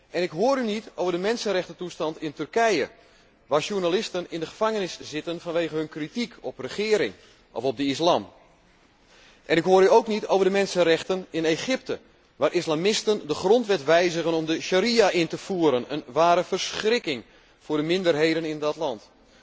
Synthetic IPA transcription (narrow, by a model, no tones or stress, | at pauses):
ʔɛnɪkɦoːɾynitowvərdəmɛnsənrɛxtətustɑntɪntʏrkɛjə | ʋaːɹʃurnalɪstənɪndəχə̥faŋənɪsz̥ɪtənfɑnʋeːɣəɦɵnkritikʰɔprəχɪːɾɪŋ | ʔɔ̰fɔb̚dəislaːm | ʔɛnɪkɦoːɾyowknitowvədəmɛnsənrɛxtənɪneχɪp̚tə | ʋaːrʔislamɪstəndəχrɔntʋɛtʋɛjzəɣənɔmdəʃaɾiaʔɪntəfuːəɾənə̰nʋaːɾəfərsχrɪkɪŋ | fʊːrdəmɪndərɦejdənɪndɑtlɑnt